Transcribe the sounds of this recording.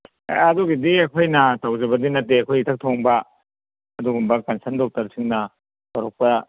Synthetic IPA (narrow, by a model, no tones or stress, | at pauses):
ɐduɡidiɐkʰojnɐtɐwzɐbɐdinɐtːeɐkʰojtʰɐk̚tʰoŋbɐ | ɐduɡumbɐkɐnsʰɐɾndok̚tɐɾsʰiŋnɐ | bɐɾok̚pɐ